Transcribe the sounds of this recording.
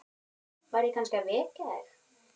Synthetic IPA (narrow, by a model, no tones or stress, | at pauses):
vaːɾɪkʰanskavɛːcaɛɾ